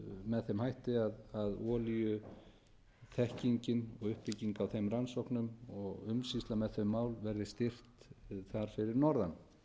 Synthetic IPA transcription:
mɛðθɛmhajht̪ɪaðaðɔːljʏ | θʰɛhciɲcɪnɔɣʏhpɪcːiŋkawθejmransɔwhknʏmɔɣʏmsist̪lamɛðθʏmːaːwlvɛɾðɪst̪ɪr̥t̪θaɾ̥fɪɾɪɾnɔɾðan

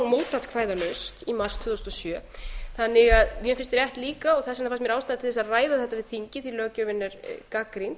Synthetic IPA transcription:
moːwt̪at̪kʰvaːjðanœst̪imaɾr̥st̪ʰʏðɔst̪ɔsjœːθanːɪɣaðmjɛfɪnst̪ɾjɛht̪liːkaɔɣθɛsːanafast̪mjɛɾaːwst̪aːðat̪ʰɪlθɛs̬aðraːjðaθɛht̪ːavɪðθiɲcɪθilœːcœvɪnːɛɾ̥kakɾint̪

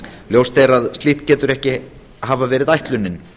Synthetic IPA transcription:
ljowst̪ejɾaðst̪liːht̪cɛːt̪ʏɾɛhcɪ | ɦaːvavɛːɾɪðajht̪lʏnːɪn

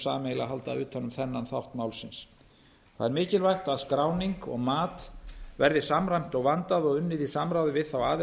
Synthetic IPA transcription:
sa̰ːmeːjla̰ɦalt̪a̰ʏːt̪hanːʏmθɛnːanθawht̪maːwlsɪns | θaðɛɾmɪːcɪlvajxt̪aðskɾaːwniŋkɔ̰ɣmaːt̪vɛɾðɪsamɾajm̥t̪ɔɣvant̪aðɔɣʏnːɪðisamɾawðɪvɪðθawaːðɪ

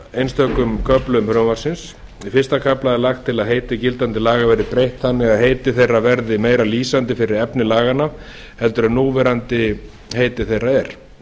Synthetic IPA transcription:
ejnst̪ʰœkʏmkʰœplʏmfɾœvaɾ̥sɪns | ifɪr̥st̪akʰaplaðɛlaxt̪ʰːɪlaðɦejt̪ɪcɪlt̪ant̪ɪlaːɣavɛɾɪpɾejht̪θanːɪɣaðɦejt̪ɪθejrːavɛɾðɪmeːjɾaliːsant̪ɪfɪɾɪɾɛpnɪlaːɣanav | hɛlt̪ʏɾanuːvɛɾant̪ɪ | hejt̪ɪθejraɛɾ̥

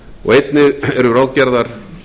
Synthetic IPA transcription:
ɔ̰ɣejt̪nɪɛɾʏɾawðcɛɾðaɾ̥

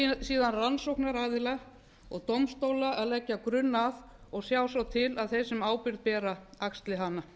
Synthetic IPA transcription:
siːðanransowknaɾaːðɪla | ɔɣt̪owmst̪oːwlaaðlɛcːakɾʏnːað | ɔɣsjaːwsawt̪ʰɪlaðθejsɪmaːwpɪɾðpɛːɾaakst̪lɪɦanːa

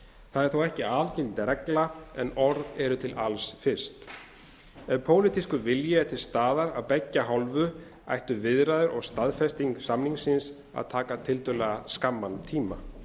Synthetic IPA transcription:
θaðɛɾ̥θowɛhcɪaːlcɪlt̪ɾɛklaɛnɔɾðɛɾʏt̪ʰɪlʔalsfɪɾ̥st̪ | ɛvpʰoːwlɪt̪iskʏvɪljɪɛt̪ʰɪlst̪aːðaɾawpɛcːaɦɔlvʏ | a̰jht̪ʏvɪðɾaðʏɾʔɔɣst̪aðfɛst̪iŋksamniŋsɪns | a̰ðt̪ʰaːkat̪ʰɪlt̪ʏlɛɣaskamːant̪ʰiːma

